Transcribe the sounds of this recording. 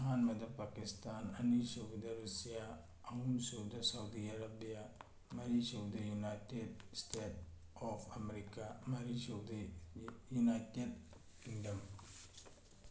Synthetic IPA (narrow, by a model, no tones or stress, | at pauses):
ɦanmɐdɐpakistananisoɡdɐɾusijaː | umsowdasawdiaɾabija | maɾisowdɐjunajted̚stet | ɔpʰameɾikamaɾisowdajunajted̚ | kiŋdɐm